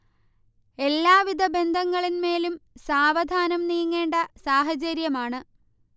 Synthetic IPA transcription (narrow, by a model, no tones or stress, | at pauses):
e̞lːaːʋid̪ʱɐbe̞nd̪ʱɐŋːɐɭinme̞ːlumsaːʋɐd̪ʱaːnɐmnijɐŋːe̞ːɳɖɐsaːɦɐd͡ʑɐɾjɐmaːɳɨ